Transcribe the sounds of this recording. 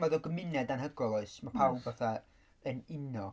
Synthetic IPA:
maðɔɡəmɪnɛdanɦəɡrɔlˠɔɨsmapʰawˠbvaθa | ənɪnɔ

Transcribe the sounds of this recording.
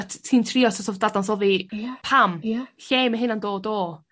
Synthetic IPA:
tʰtʰiːntʰrɪɔsɔsʰɔvd̥adansɔðipʰamɬeːməɦɨnandoːdo

